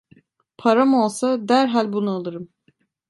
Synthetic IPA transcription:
pʰaɾamo̞lˠsad̪æɾɦalʲbunualˠɯɾɯm

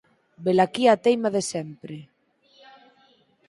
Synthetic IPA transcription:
belakiat̪ejmaðesɛmpɾɪ

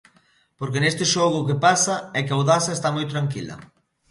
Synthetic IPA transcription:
poɾk̬enest̪ɪʃɔɣʊːkepasɐɛkawðasɐest̪amojt̪ɾaŋkilɐ̰

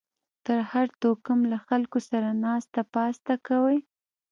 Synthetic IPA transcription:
t̪əɾhaɾt̪okəmlaxalkosaɾanɑst̪apɑst̪akawəj

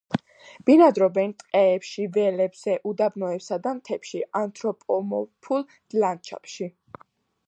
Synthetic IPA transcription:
b̥inad̪ɾɔbɛnt̪ʼqʼɛːpʃivɛlɛbz̥ɛʔud̪abnɔɛpsad̪ant̪ʰɛpʃiʔant̪ʰɾɔpʼɔmɔ̰pʰulˠ | d̪̥lant͡ʃʰa̰pʃi

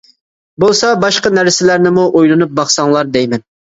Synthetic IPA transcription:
bolˠsɑbɑʃqɑnæɾsɪlæɾnɪmuʔojlˠɨnup̚bɑχsɑŋlˠɑɾd̪ɛjmɛn

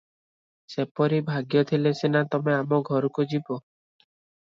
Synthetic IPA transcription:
sepɔɾibʱaɡjɔt̪ʰilesenat̪ɔmeamɔɡʱɔɾukud͡ʒibɔ

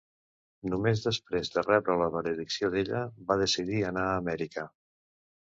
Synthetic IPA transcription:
numezðəspɾezðərɛβɾələβələðiksioðeʎəβaðəsiðiənaəːmɛɾikə

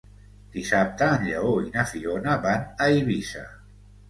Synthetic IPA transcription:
d̪̥isap̚t̪əːnʎəoinəfionəβanəiβisa̰

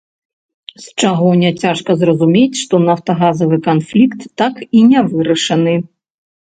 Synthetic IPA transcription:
st͡ʂaɣɔnʲɛt͡sʲaʂkɐzrɐzumʲet͡sʲʂt̪ɔnɐwt̪ɐɣazɐvɨkanflʲikt̪ːakinʲɛvɨɾɐʂɐnɨ

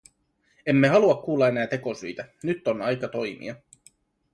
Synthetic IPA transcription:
e̞mːe̞ɦɑluɑkːuːlːɑe̞næːt̪e̞ko̞syjt̪ænyt̪ːonɑjkɑt̪o̞jmḭɑ

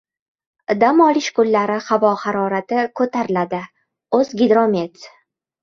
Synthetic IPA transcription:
d̪amɒlɪʃkʊlːaɾɪhavɒhaɾɒɾat̪ɪkʰɵt̪ʰaɾɪlad̪ɪ | ɵzɡʲɪd̪ɾome̞t̪

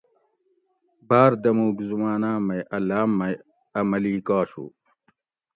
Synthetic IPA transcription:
baːɾd̪ɐmuːɡzumaːnaːmɐjɐlaːmːɐj | ɐmɐliːkaːɕṵː

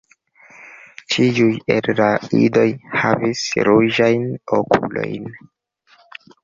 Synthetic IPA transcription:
t͡ʃiujelɾaido̞jhavisɾud͡ʒajnokʰṵlo̞̰jn

